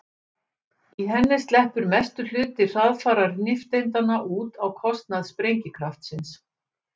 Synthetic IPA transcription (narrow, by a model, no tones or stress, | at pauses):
iɦɛnːɪst̪lɛhpʏɾmɛst̪ʏl̥ʏːt̪ɪr̥aðfaːɾaɾnɪft̪ejnt̪anaʔuːt̪awkʰɔst̪naðspɾejɲcɪkʰɾaft̪sɪns